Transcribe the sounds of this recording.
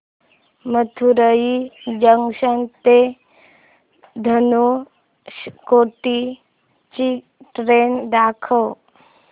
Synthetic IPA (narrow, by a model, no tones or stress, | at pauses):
mət̪ʰuɾəjid͡ʑəŋɡɕənt̪e | d̪ʱənu | koʈi | t͡ɕi | ʈɾend̪akʰəw